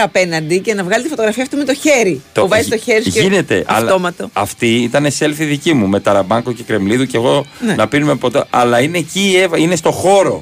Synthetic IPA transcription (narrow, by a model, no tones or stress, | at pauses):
ɐpe̞nɐnd̪ice̞nɐvɣɐlit̪ifoto̞ɣɾɐfiɐft̪ume̞t̪o̞çe̞ɾit̪ouvɐzist̪oçeɾisʝine̞t̪e̞̰ʔɐ̰flo̞mɐt̪o̞ɐft̪iit̪ɐnese̞lfiðicimume̞t̪ɐɾɐbɐŋɡoce̞kɾe̞mliðuce̞ɣo̞nenɐpinume̞po̞t̪eʔɐlɐine̞cievinest̪o̞xo̞ɾo̞